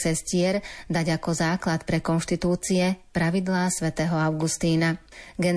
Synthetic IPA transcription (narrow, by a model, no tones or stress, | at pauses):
ɛscɪɛɾd̪aɟakɔzaːklat̪pɾɛkɔnʃt̪it̪uːt͡siɛpɾaʋid̪laːsʋɛt̪ɛːɦɔaʊɡust̪iːna | ɡɛn